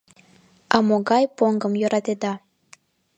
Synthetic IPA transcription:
ɑmoɣɑjpoŋɡəmjøɾɑt̪ed̪ɑ

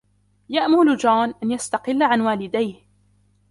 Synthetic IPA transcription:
jaʔmʊlʊd͡ʒaːnʔanjast̪ɑqɪlːaʕanwaːlɪd̪ajh

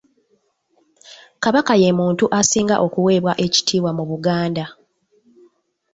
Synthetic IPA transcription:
kaβakaje̞muːntuʔasiːŋɡa̰ʔo̞kuwe̞ːβwaʔe̞ci̥tʰiːwamuβuɡaːnda

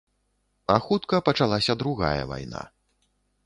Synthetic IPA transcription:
axut̪kɐpɐt͡ʂalˠasʲɐd̪ɾuɣa̰jɐ̰va̰jna̰

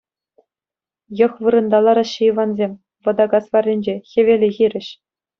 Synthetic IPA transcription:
jɤ̆xʋɯɾɤ̆nd̪ɑlˠɑɾɑɕɯjiʋɑnzʲemʲ | ʋɤ̆d̪ɑɡɑsʋɑrʲːinʲd͡ʑexʲĕʋʲelʲĕɣʲiɾʲɘ̆ɕ

